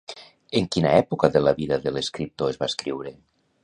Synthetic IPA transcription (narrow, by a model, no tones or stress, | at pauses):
eŋkinaɛpokaðelaβiðaðeleskɾip̚t̪oezβaskɾiwɾe